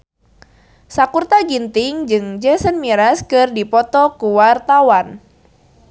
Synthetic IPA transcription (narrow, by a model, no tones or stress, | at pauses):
sakurt̪aɡint̪ɪŋd͡ʒɨŋd͡ʒɛsənmiɾaskɨrdipɔt̪ɔkuwart̪awan